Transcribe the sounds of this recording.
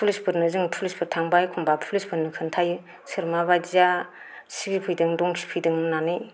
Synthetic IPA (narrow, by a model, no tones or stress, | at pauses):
pʰulispʰɯɾnɯzɯŋpʰulispʰɯɾtʰaŋbajkʰumbapʰulispʰɯɾnɯkʰɯntʰaj | sʰɯɾmaβajza | siɡipʰɯjdɯŋdɔŋkʰi̥pʰɯjdɯŋnanɯj